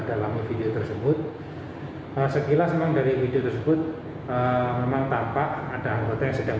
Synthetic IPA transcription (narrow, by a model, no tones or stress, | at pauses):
d̥alamifideot̪ərsəbʊt̪̚ | ʔəsəkilasəmaŋdaɾifideot̪ərsəbʊt̪̚ | əmemaŋt̪ampaʔad̥a̤aŋɡot̪ajaŋsəd̥aŋ